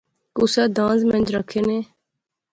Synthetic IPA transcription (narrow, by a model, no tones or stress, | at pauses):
kusaːd̪ãːnzmə̃nd͡ʒɾəkʰeːnẽː